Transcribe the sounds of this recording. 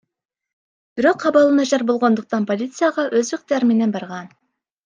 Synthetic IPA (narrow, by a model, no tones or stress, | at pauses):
b̥ɪɾoqʰːɑbɑlˠənæʒɑɾbolˠʁond̪əq̚t̪ɑnpʰolʲit̪sɨjɑʁɑʔøzɪq̚t̪æɾmenɛnbɑɾʁɑn